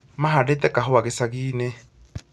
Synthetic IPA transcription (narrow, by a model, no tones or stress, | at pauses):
maɦadetɛkaɦɔwaɣesaɣiːne